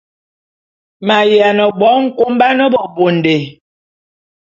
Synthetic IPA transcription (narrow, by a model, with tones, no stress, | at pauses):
ma˨ja˨nə˨bɔ˨˦ŋ̩˦ko˦mba˦nə˦bɔ˨bo˨n˨de˨